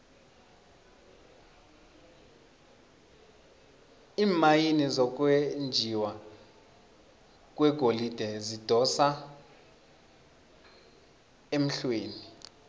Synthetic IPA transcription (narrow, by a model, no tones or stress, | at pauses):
iːmajinizɔk̬wend͡ʒʱiwa | k̬ʼwɛɡ̥ʱolid̥ʱɛzid̥ʱɔsa | em̩ɬweːni